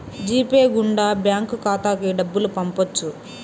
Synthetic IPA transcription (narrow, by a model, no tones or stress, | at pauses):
d͡ʒiːpeːɡuɳɖaːbjaːŋkukaːt̪aːkiɖɐbːulupɐmpot͡ʃːu